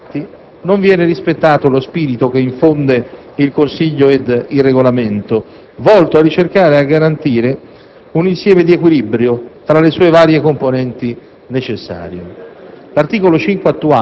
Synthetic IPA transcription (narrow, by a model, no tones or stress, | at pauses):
t̪ːi | noɱvjɛːneɾispet̪ːaːt̪olospiːɾit̪ok̟eiɱfond̪e | ilkonsiʎːoed̪ilreɡolament̪o | vɔlt̪oarːit͡ʃerkaːɾeaɡːaɾant̪iːɾe | uninsjɛːmed̪iekwilibɾjot̪ɾalesuːevaːɾjekomponɛnt̪i | net͡ʃesːa̰ːɾjḛlart̪iːkolot͡ʃiŋkweat̪ːua